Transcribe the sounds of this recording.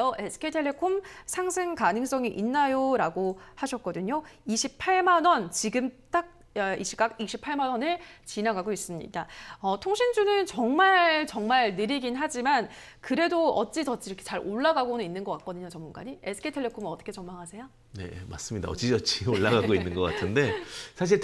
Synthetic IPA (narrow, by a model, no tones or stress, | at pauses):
oʔesʰɯ̥kʰetʰe̞ɭːe̞kʰomsʰaŋsʰeŋkanɯŋs͈ʌŋiʔinːajoɾaɡohaɕʰʌt̚k͈ʌdɯɲoiɕʰipʰaɭmanwʌnt͡ɕiɡɯmt͈ak̚ | iɕʰiɡak̚iɕʰipʰaɭmanwʌnɯɭt͡ɕinaɡaɡois͈ɯmɲḭdaʌtʰoŋɕʰind͡ʑunɯnt͡ɕʌŋmaɭɭt͡ɕʌŋmaɭnɯɾiɡinɦad͡ʑiman | kɯɾe̞doʌt̚t͡ɕ͈itʌt͡ɕ͈iɾʌkʰet͡ɕaɾoɭːaɡaɡonɯninːɯnɡʌk͈ak͈ʌdɯɲot͡ɕʌmːunɡa̰ɲiesʰɯ̥kʰetʰeɭːe̞pʰomɯnʌt͈ʰʌkʰe̞t͡ɕʌmːaŋɦasʰe̞jo | ne̞̰ma̰s͈ɯmɲida̰ʌ̰t͡ɕ͈id͡ʑʌt͡ɕʰioɭːaɡaɡoinːɯnɡʌk͈a̰tʰɯnde̞sʰaɕ̬ʰiɭ